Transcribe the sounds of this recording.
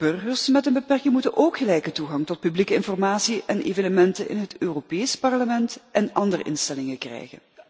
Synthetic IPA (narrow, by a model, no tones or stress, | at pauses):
b̥ɵrɣərsmɛtənbəpɛrkɪŋmutənʔoːkχəlɛjkətuɣɑŋtɔt̚pyblikəɪnfɔrmaːsiʔɛnḛːvənəmɛntənɪ̰nɦətøːropeːspɑrləmɛntʔɛnʔɑndərə̰ʔɪnstɛlɪŋəkrɛ̰jɣə̰n